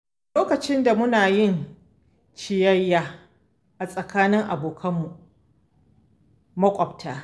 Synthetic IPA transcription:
loː˦kɐ˨t͡ʃɪ˦nda˨mʊ˦naː˨jɪ˦˨n | t͡ʃɪ˨jɐ˦jːaː˦ | ʔa˨sʼɐ˨kaː˦nɪ˦ŋʔa˨boː˨kʰɐ˦mːu˨ʔ | mɐ˦kʷʼɔ˨b̚tʰaː˦

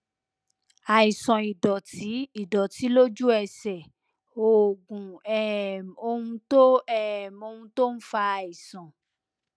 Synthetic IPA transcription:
a˨i˨sɔ̃˨i˨dɔ˨tʰi˨˦i˦˨dɔ˨ti˨˦lo˦d͡ʒu˦ɛ˦˧˨sɛ˨ | o˨ɡũ˨ɛ˦˨o˧ũ˧to˦ɛ˦˨mo˧ũ˧to˦n̩˦fa˧a˨i˨sɔ̃˨

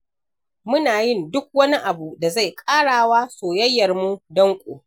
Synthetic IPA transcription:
mʊ˦naː˨jɪ˦˨ndʊ˦k̚wɐ˦ni˦ʔa˨bu˨da˨za˦˨jkʼaː˦ɽaː˨waː˦soː˨jɐ˦jːɐ˨rmu˦dɐ˦ŋkʷʼo̰ː˨

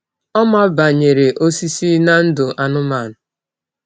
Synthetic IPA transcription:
ɔ˦ma˦ba˨ɲe˨ɾe˨ʔo˦si˦si˦na˦n̩˦dʊ˨ʔa˨nʊ˦ma˨nʊ˨

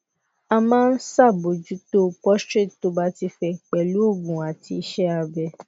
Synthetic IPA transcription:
a˧mãː˦n̩˦sa˦˨bo˨d͡ʒu˨˦to˦pɔ˦stɾi˦˨tto˨˦ba˦ti˧fɛ˧k͡pɛ˨lu˨˦o˦˨ɡũ˨a˨ti˧˦ʃɛ˦a˧bɛ˧

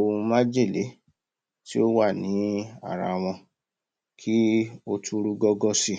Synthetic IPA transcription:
o˧ũ˧mã˦d͡ʒe˦˨le˨˦ | ti˦o˦wa˦˨nĩ˨˦a̰˦˨ɾa̰˧w̃ɔ̃˧ | kʰi˦o˧tʰu˦ɾu˦ɡɔ˦ɡɔ˦si˦˨

